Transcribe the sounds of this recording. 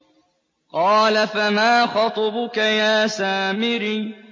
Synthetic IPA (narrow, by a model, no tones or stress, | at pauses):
qɑːlafamaːxɑt̪ˤɑbʊkajaːsaːmɪɾiː